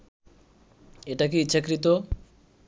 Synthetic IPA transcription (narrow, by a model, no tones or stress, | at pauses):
eʈak̬iitːɕʰakɾit̪o